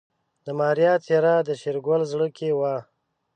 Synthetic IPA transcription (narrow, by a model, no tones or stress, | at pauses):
d̪əmɑːɾjɑt̪ʰeɾɑd̪əʃeɾɡwalzɽəkewɑː